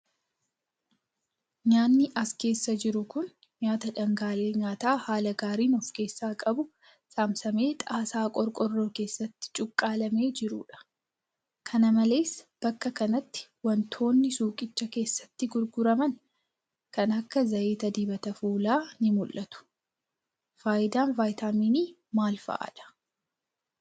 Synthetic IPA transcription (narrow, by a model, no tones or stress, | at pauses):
ɲaːnːɪʔɐske̞ːsːɐd͡ʒɪɾʊkʊn | ɲaːt̪ɐᶑɐŋɡaːleːɲaːt̪aːhaːlɐɡaːɾiːnɔfke̞ːsːaːkʼɐbʊ | saːmsɐme̞ːt̪ʼaːsaːkʼɔɾkʼɔrːoːke̞ːsːɐt̪ːɪ̥t͡ʃʼʊkʼːaːlɐme̞ːd͡ʒɪɾṵːᶑɐ̥ | kʰɐnɐmɐle̞ːsb̥ɐkːɐkɐnɐt̪ːɪ̥wɐnt̪ʰo̞ːnːɪsuːkʼɪt͡ʃːɐke̞ːsːɐ̥t̪ːɪɡʊɾɡʊɾɐmɐn | kɐnɐkːɐzɐʔeːt̪ɐd̪iːbɐt̪ɐfuːlaːnɪmʊlːɐt̪ʊ̥ | faːjɪd̪aːnvaːjt̪aːmiːniː | maːlfɐ̰ʔa̰ᶑɐ̥